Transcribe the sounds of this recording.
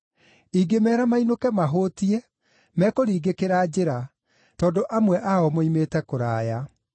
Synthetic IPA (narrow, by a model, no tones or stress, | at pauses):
iɡemɛːɾamainokɛmaɦoːtiɛ | mɛːkoɾiːɡekeɾad͡ʑeɾa | tɔːndoʔamwɛʔaɔmoimeːtɛkoɾaːja